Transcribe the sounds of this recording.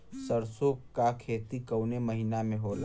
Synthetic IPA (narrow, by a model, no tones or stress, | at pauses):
səɾsokkakʰeːt̪ikəwneməɦinamẽɦola̰